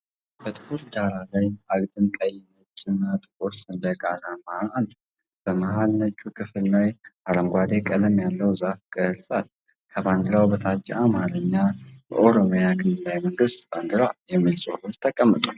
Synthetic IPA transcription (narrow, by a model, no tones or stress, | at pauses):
b̥ət̪ʼɨ̥kʰuɾd̪aɾalajaɡd̪ɨnt̪ʼajɪnət͡ʃʼːɪnːat̪ʼɨkʼuɾsɨnd̪əkʼalamand̪ | b̥əmaɦalnət͡ʃʼːukʰɨfɨlnajaɾəmɡʷad̪e̞kʼələmjalːəwzafkʼəhɨlsʼat̪̚ | kʰəband̪ɨɾawbət̪ʰat͡ʃːɪamaɾəɲːabə̰ʔoɾomjaɡɨnɨlːajməŋɡɨst̪b̥and̪ɨɾajɛmːilsʼo̰hult̪ʰəkʼəmːət̪ʼu